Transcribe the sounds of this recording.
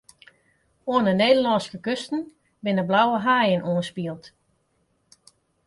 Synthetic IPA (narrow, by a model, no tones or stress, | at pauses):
oənəneːdəlɑnskəkøstn̩ | bɪnəblawəɦaːjənʔuənspiəlˠt